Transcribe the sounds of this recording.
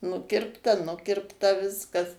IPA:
ˈnʊkʲɪrptɐ ˈnʊkʲɪrptɐ ˈʋʲɪskɐs

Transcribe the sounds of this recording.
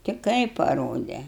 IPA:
tʲɪ ˈkɐɪp pɐˈroːdʲɛ

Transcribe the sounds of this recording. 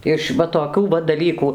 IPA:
ɪʃ ˈʋɐ toːˈkʲuː ʋɐ dɐˈlʲiːkuː

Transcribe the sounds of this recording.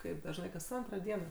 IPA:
ˈkɐɪp dɐʒˈnɐɪ kɐs ˈɐntroː ˈdʲiɛnoː

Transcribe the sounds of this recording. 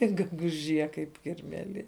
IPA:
ɪr ɡʲɛɡʊˈʒʲiɛ kɐɪp kʲɪrʲmʲɛˈlʲiɛ

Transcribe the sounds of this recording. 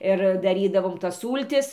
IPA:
ɪr dɐˈrʲiːdɐʋoːm tɐs ˈsuːlʲtʲɪs

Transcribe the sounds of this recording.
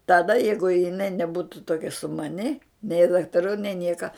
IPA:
tɐˈdɐ ˈjɛɪɡʊ jɪˈnɐɪ nʲɛˈbuːtʊ toːˈkʲɛ sʊmɐˈnʲɪ nʲɛɪ dɐktɐˈruː nʲɛɪ ˈnʲiɛkɐ

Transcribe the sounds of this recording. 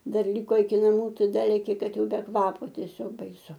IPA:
ˈdɐr ˈlʲɪkoː ɪkʲɪ nɐˈmuː ˈtɐɪ ˈdɐ lʲɛkʲɪ ˈkɐt ˈjɛʊ bʲɛ ˈkʋɑːpoː tʲiɛˈsʲoːk bɐɪˈsʊ

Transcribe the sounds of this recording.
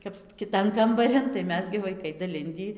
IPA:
kɐps kʲɪˈtɐn kɐmbɐˈrʲɪn tɐɪ ˈmʲɛs ɡʲɪ ʋɐɪˈkɐɪ dɐˈlʲɪnʲdʲiː

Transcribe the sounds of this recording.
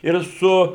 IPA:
ɪr ˈsʊ

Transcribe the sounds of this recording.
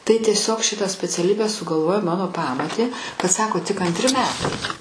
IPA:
tɐɪ tʲiɛˈsʲoːk ˈʃʲɪtɑː sʲpʲɛt͡sʲɛˈlʲiːbʲæː sʊɡɐlˠˈʋoːjoː ˈmɑːnoː ˈpɑːmoːtʲeː kɐt ˈsɑːkoː tʲɪk ɐnʲtʲˈrʲɪ mʲɛˈtɐɪ

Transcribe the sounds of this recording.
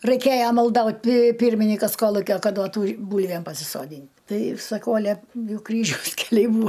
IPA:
rɐɪˈkʲeːjɛ mɐlˠˈdɐʊtʲ pʲɪ ˈpʲiːrʲmʲɪnʲɪkɐs ˈkoːlˠʊkʲoː ˈkɐt ˈduɔtuː ˈbuːlʲʋʲeːm pɐsʲɪsoːˈdʲiːnʲ ˈtɐɪ sɐˈkɐʊ ɐˈlʲɛ ˈjɛʊ ˈkrʲiːʒʲɛʊs kʲɛˈlʲɛɪ ˈbuːɐ

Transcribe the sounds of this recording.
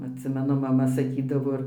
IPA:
ɐtʲˈsʲɪmʲɛnʊ mɐˈmɐ sɐˈkʲiːdɐʋoː

